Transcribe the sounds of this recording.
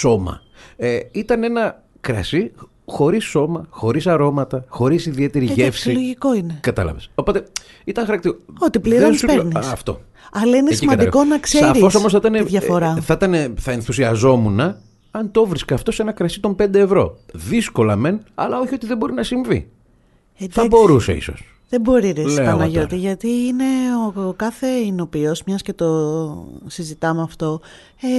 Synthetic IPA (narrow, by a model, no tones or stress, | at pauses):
so̞mɐ̰ | eit̪ɐne̞nɐ | kɾɐ̰si | xo̞ɾisːo̞mɐxo̞ɾisɐɾo̞mɐt̪ɐxo̞ɾisiðie̞t̪e̞ɾiʝefsiloʝikoinekɐt̪ɐ̰lɐ̰veso̞po̞t̪e̞ | it̪ɐŋxɐɾɐkt̪iɾoot̪iliɾopenisɐft̪o̞̰ | ɐlɐinessiimɐd̪ikonɐksseɐɾifo̞s̬oos̬θit̪ɐneðʝɐfoɾɐθɐit̪ɐneθɐe̞nθusiɐzo̞munɐ | ɐnt̪o̞vɾiskɐft̪o̞senɐkɾɐsit̪o̞mbe̞nd̪eːvɾo̞̰ðisko̞lɐme̞nɐlɐoçio̞t̪iðebo̞ɾinɐsiɱvḭ | edθɐbo̞ɾusḛḭso̞̰s | ðe̞bo̞ɾiɾelseɐnɐʝo̞t̪iʝɐt̪iːne̞okɐθe̞ino̞piozmɲɐsce̞t̪o̞ | sizit̪ɐmeɐft̪o̞ | e